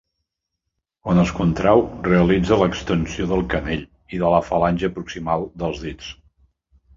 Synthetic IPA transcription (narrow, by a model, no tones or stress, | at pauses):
onəskunt̪ɾawreəlid͡zələkst̪ənsioðəlˠkəneʎ | iðələfəlanʲʒəːpɾuksimalˠd̪əlˠzðit͡s